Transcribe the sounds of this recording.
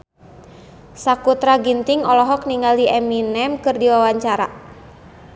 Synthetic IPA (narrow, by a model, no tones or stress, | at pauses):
sakut̪ɾaɡint̪iŋɔlɔɦɔk̚niŋaldiʔɛminɛmkɨrdiwawaɲt͡ʃaɾa̰